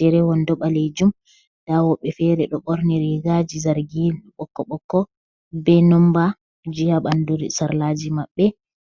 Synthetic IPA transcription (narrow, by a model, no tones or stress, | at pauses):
d̥ɛɾɛwɔndɔɓaled͡ʒum | d̥awɔɓːɛfɛɾɛɗɔɓɔɾniɾiɡad͡ʒizaɾɡilɓɔkːɔɓɔkːɔ | bɛnɔmba | d͡ʒijaɓanduɾḭsaɾlad͡ʒimaɓːɛ